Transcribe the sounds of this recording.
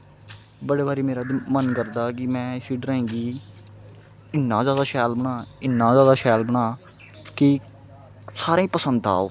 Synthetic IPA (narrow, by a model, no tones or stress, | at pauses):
bəɽeːbaːɾiːmeːɾaːd̪mənkəɾd̪aːkɪmɛ̃ːɪsiːɖəɾaːĩːŋɡiː | ɪnːãːzjaːd̪aːʃɛːlbəɳ̃ãːɪnːãːzjaːd̪aːʃɛːlbəɽ̃ãː | kɪ | saːɾãːĩːpəsənd̪a̰ːo̰ː